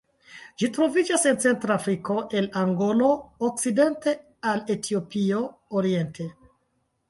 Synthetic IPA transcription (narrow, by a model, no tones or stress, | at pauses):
d͡ʒitɾo̞vid͡ʒase̞nt͡se̞ntɾaːfɾiko̞ʔe̞laŋɡo̞lo̞ok̚t͡side̞nte̞ | ale̞tʰio̞pio̞ːɾie̞ntʰe̞